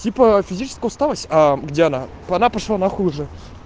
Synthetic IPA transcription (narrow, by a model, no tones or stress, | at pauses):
tʲipəfʲɪzʲit͡ʃɪ̥skəjʊst̪alˠəsʲaɡdʲeɐna | pɐnapaʂlˠanaxuʐɨ